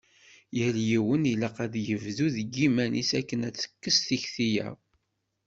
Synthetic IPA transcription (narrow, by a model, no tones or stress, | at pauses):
jəljiwəniləqæðjəvðuðəɡimænḭsækːənæt͡sːə̥kːəsθiçθijæ̰